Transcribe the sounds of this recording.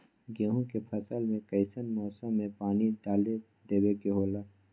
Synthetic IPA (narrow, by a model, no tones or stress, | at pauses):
ɡeːɦũkepʰəsəlmẽkɐɪsənmɔːsəmːẽpaːniɖaːle | d̪eːbekeɦoːla